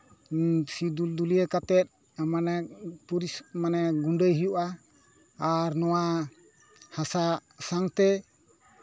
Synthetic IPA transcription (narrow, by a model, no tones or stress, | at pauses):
sid̪uld̪ulijəkat̪ɛt̪̚ | manɛpuɾismanɛɡuɳɖəjɦijuʔaː | ɾnɔwa | hasasaŋt̪ɛ